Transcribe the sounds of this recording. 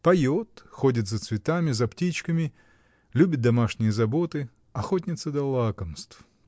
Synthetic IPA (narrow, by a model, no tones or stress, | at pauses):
pɐjo̞t̪xo̞dʲɪt̪zət̪svʲɪt̪amʲɪzɐptʲit͡ɕkəmʲɪ | lʲubʲɪt̪̚d̪ɐmaʂnʲɪjəzɐbo̞t̪ɨ | ɐxotʲnʲɪt̪səd̪ɐlˠakəmst̪f